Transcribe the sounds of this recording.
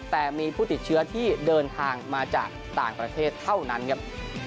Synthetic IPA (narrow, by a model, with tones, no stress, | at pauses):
t̪ɛː˨˩miː˧pʰuː˥˩t̪i˨˩t̪̚t͡ɕʰɯ˦˥ɐt̪ʰiː˥˩dɤː˧nt̪ʰaː˧ŋmaː˧t͡ɕa̰ː˨˩k̚t̪aː˨˩ŋpɾa˧t̪ʰeː˥˩t̪ʰːa˥˩wna˦˥nkʰa˦˥p̚